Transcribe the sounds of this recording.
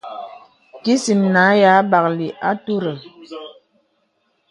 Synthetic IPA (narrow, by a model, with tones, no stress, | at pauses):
ki˦si˨mna˨˦ja˨˦ba˨k̚li˨ʔa˦tu˦ɾə˨